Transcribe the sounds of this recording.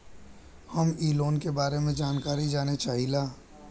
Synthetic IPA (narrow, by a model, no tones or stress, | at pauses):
hɐmiːloːnkebaːɾemẽd͡ʒaːnkaːɾid͡ʒaːnet͡ʃaːɦilaː